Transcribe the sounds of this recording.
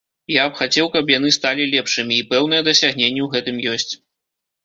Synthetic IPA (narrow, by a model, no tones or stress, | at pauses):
japxat͡sʲɛwkɐpjanɨst̪alʲilʲɛpʂɨmʲiːpɛwnɨjɛd̪ɐsʲaɣnʲenʲːɛwɣɛt̪ɨmjɔsʲt͡sʲ